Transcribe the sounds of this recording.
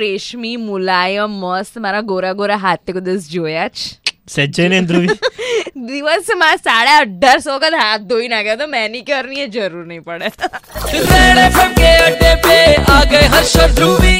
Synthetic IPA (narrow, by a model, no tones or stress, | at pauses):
ɾeʃmimulaːjəmːəst̪maɾaɡoːɾaɡoːɾaɦat̪jəkod̪əsd͡ʒoːjat͡ʃsɛd͡ʒəjnẽnd̪ɾuʋi | d̪iʋəsmasaɽjaəɖʱaɾsɔkad̪at̪̚d̪oːinaɡjat̪omɛnikɔɾnied͡ʒəɾuːɾnɐɦĩpəɽet̪ut̪ɛɽepekeɐɖepeaːɡəjɦɐɾʃɐt̪ɾuʋi